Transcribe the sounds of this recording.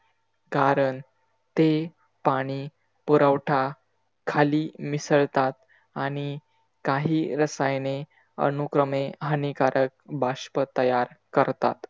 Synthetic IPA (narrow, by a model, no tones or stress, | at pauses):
kaɾəɳ | t̪e | paɽ̃iː | puɾawʈʰa | kʰaliːmisəɭt̪at̪ | aɽ̃i | kaɦiːɾəsajne | ə̰nukɾəmeɦənikaɾʔək̚bʱaɕpət̪əjaɾkəɾt̪a̰t̪